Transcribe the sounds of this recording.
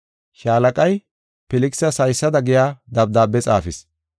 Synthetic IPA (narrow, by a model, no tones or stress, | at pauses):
ʃaːlɐkʼɐj | pɛlɪksɐsɐjsːɐd̪ɐɡɪjaːd̪ɐb̚d̪aːbɛt͡sʼa̰ːfɪs